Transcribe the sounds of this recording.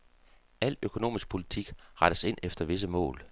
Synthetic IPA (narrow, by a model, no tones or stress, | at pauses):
æl̰økʰo̝no̝̰ːmisɡ̥̚pʰo̝lit͡sʰiɡ̥ʁɑ̈ɾ̥əse̝n̰efd̥ɐʋe̝s̬əmɔ̰̽ːl